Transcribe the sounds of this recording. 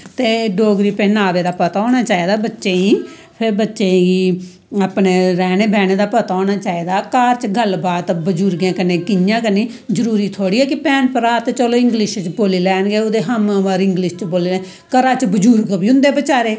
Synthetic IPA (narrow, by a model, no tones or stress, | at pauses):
t̪eːɖoːɡɾiːpənaːʋeːd̪aːpət̪aːoːñaːt͡ʃaːiːd̪aːbətːʃeːiː | pʰɪɾbətːʃeːiː | aːpneːɾɛːneːbɛːneːd̪aːpət̪aɔːnaːt͡ʃaːiːd̪aːkaːɾt͡ʃɡəlbaːt̪bəd͡ʒuːɾɡẽːkəneːkɪɲjãːkəniː | zəɾuːɾiːt̪ʰoːɽiːɛːkɪpɛːnpəɾaːt̪et͡ʃəloːɪ̃ŋɡlɪʃt͡ʃboːliːlɛːnɡeːʊd̪eːɦəmʋəɾɪŋɡlɪʃt͡ʃboːliːlɛː | kəɾaːt͡ʃbəd͡ʒuːɾɡbiːʊ̃nd̪eːbət͡ʃaːɾeː